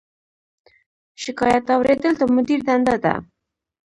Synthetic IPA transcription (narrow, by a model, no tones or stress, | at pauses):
ʃɪkɑjat̪ɑwɾed̪əlt̪amʊd̪iɾd̪and̪ad̪a̰